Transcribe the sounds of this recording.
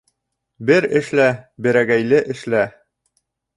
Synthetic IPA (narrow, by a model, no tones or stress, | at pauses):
bɘɾɘ̆ʃlæbɘ̆ɾæɡæjlɘʔɘ̆ʃlæ